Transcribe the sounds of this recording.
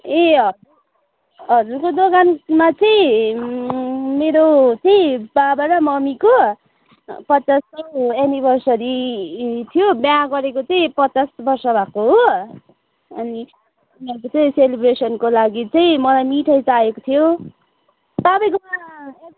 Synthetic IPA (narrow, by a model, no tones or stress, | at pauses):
eʌɾu | ʌɾukod̪oɡanmat͡sʌĩ | meɾot͡sʌĩbabaɾamʌmiko | pʌt͡saskoenibʱʌrsʌɾi | t̪ʰijobjaɡʌɾekot͡sʌĩpʌt͡sasbʌrsʌbʱakoɦo | ʌ̰ni | niʌɾkot͡sʌĩselibresʌnkolaɡit͡sʌĩmʌlajmiʈʰʌjt͡saekot̪ʰijo | t̪ʌbʌj̃kom